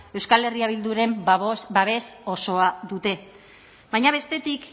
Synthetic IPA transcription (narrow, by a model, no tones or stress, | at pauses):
e̞wskale̞riaβ̞ild̪uɾe̞mbaβe̞so̞so̞aðut̪e̞ | βajɲaβ̞e̞st̪e̞t̪ik